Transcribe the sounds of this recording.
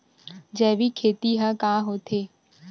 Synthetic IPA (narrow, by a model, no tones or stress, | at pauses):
d͡ʒɛːʋikʰeːt̪iɦãkãːɦoːt̪ʰeː